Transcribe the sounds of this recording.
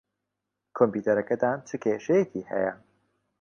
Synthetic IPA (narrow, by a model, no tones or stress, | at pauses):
kʰompuːt̪ʰɐɾɐkɐd̪aːnt͡ʃʰɨkʰeːʃɛjekʰiːhɛ̰jɐ